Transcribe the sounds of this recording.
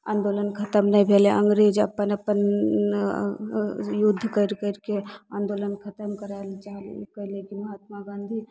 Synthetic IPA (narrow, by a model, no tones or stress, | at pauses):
a̰ːnd̪olənkʰət̪əmnəibʱeleʔəŋɡɾed͡ʒəpːənəpːən | jud̪ʱːkəɾkəɾkeãːnd̪olənkʰət̪əmkəɾalt͡ʃaɦlkəɦlekiməɦat̪maɡãnd̪ʱi